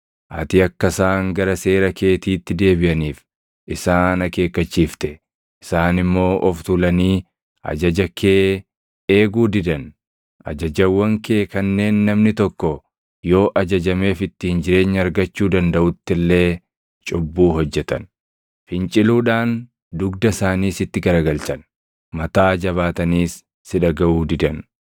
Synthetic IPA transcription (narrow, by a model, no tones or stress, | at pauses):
ʔɐ̰t̪ɪɐkːɐsaːŋɡɐɾɐse̞ːɾɐke̞ːt̪iːt̪ːɪd̪e̞ːbɪʔɐniːf | ʔɪsaːnɐke̞ːkːɐt͡ʃːiːft̪ɛ | ɪsaːnɪmːo̞ːʔɔft̪ulɐniː | ʔɐ̰d͡ʒɐd͡ʒɐkʰeː | e̞ːɡuːd̪ɪd̪ɐn | ʔɐ̰d͡ʒɐd͡ʒɐwːɐŋkʰe̞ːkɐnːe̞ːnːɐmnɪt̪ɔkːɔ | jo̞ːʔɐd͡ʒɐd͡ʒɐme̞ːfɪt̪ːɪhɪnd͡ʒɪɾe̞ːɲːɐɐɾɡɐt͡ʃːuːd̪ɐnd̪ɐʔʊt̪ːɪlːe̞ː | t͡ʃʼʊbːuːɦɔd͡ʒːɛt̪ɐ̰n | fɪnt͡ʃʼɪluːᶑaːn | d̪ʊɡ̚d̪ɐsaːniːsɪt̪ːɪɡɐɾɐɡɐltɐn | mɐt̪aːd͡ʒɐβaːt̪ɐniːsː | ɪᶑɐɡɐʔuːd̪ɪd̪ɐn